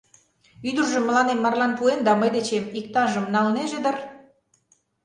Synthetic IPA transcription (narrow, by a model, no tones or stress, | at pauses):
yd̪ərʒə̆mːəlɑnemːɑrlɑnpuend̪ɑməjd̪et͡ɕemik̚t̪ɑʒəmnɑlneʒed̪ə̆r